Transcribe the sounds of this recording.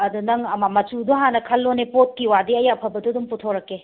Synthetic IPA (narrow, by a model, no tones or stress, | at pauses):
ɐdunɐŋɐmamɐt͡ʃuduɦanɐkʰɐlːonepot̚kiwadiɐjapʰɐbɐduɐdumputʰoɾɐkːe